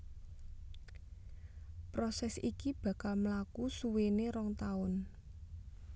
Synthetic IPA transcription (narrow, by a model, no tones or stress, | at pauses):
pɾɔsɛsikib̥a̤kalmlakusuweneɾɔŋt̪aʊn